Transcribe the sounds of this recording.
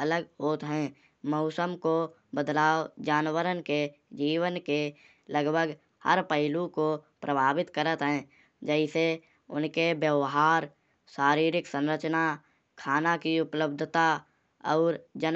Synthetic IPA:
ələɡɦoːt̪ɦɛ̃ː | mɔʊsəmko | bəd̪laːwd͡ʒaːnwəɾənke | d͡ʒiːwənke | ləɡbʱəɡ | hə̰ɾpəɦɪlũkopɾəbʱaːbɪt̪kəɾət̪ɦɛ̃ː | d͡ʒɛɪse | ʊ̰nkebjəʋɦaːɾ | ʃaːɾiːɾɪksə̃nɾət͡ʃna | kʰaːnakiʊpləb̚d̪ʱt̪a | ɔ̰ːɾd͡ʒən

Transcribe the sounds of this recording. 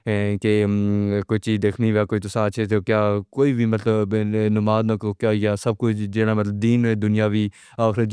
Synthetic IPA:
ke | koːit͡ʃiːzd̪eːkʰniʋaːkoːit̪ʊsãːt͡ʃʰet̪okjaːkoːiːbʱiːmət̪ləbnʊmaːd̪naːkokjaːjaːsəb̚kʊt͡ʃʰd͡ʒeːɽaːmət̪ləb̚d̪iːnd̪ʊnɪjaːʋʱiː | aːxɾə

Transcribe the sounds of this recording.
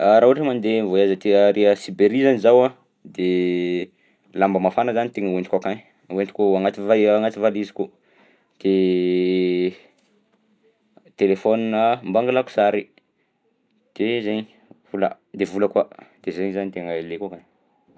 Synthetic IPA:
aɾauaʈ͡ʂəmand̪emvoiazət̪eəɾeəsibeɾizanizawa | d̪e | lambəmafanəzanit̪eŋəwenʈ͡ʂ̪kakani | wenʈ͡ʂ̪i̥kuaŋat̪ivaaŋat̪ivaliziku | d̪̥e | t̪elefoninəmbaŋɡalaku̥saɾi | d̪̥ezeɲi | vulə̰ | d̪evuləkwad̪̥ezeɲzanit̪eŋəlekakan

